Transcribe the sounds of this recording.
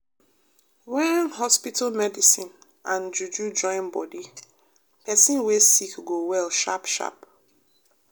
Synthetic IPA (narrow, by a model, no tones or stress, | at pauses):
wɛ̃nnhɔspitʰalmɛdisĩn | ʔãnd͡ʒud͡ʒud͡ʒɔ̃ɪ̃nbɔdi | pɛsĩnwesikɡowɛlʃa̰pʃa̰p